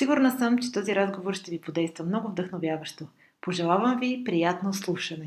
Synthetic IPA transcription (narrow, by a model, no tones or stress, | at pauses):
siɡʊɾnəsəmt͡ʃɛ̥t̪ɔziɾazɡovoɾʃt̪ɛvipod̪ɛjst̪vəmnɔɡʊvd̪əxnovʲjavəʃt̪o | poʒɛlˠavəmvipɾijat̪noslˠuʃənɛ